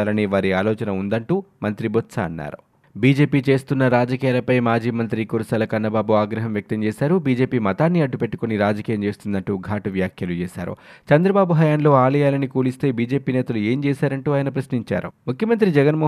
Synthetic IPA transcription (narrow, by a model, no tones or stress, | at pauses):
aːlɐniʋaːɾiaːlɔːt͡ʃɐnɐund̪ɐɳʈuːmɐnt̪ɾibot̪sɐ̰ːnːa̰ːɾu | biːd͡ʒe̞ːpiːt͡ʃe̞ːst̪unːɐɾaːd͡ʒɐkiːjaːlɐpɐjmaːd͡ʒiːmɐnt̪ɾikuːɾusɐːlɐkɐnːɐbaːbuaːɡɾɐɦɐmʋjɐk̚t̪ɐmt͡ʃɛːsaːɾubiːd͡ʒe̞ːpiːmɐt̪aːnːiɐɖːupe̞ʈːu̥koniɾaːd͡ʒɐkiːjɐmt͡ʃe̞ːst̪und̪ɐɳʈuːɡʱaːʈɐʋjaːkʰjɐlut͡ʃɛːsa̰ːɾṵ | t͡ʃɐnd̪ɾɐbaːbuɦɐjaːnlo̞ːaːlɐjaːlɐnikuːlist̪e̞ːbiːd͡ʒe̞ːpiːnɛːt̪ɐlue̞ːmt͡ʃɛːsaːɾɐɳʈuːaːjɐnɐpɾɐsniɲt͡ʃa̰ːɾṵmukʰjɐmɐnt̪ɾid͡ʒɛɡɐnmo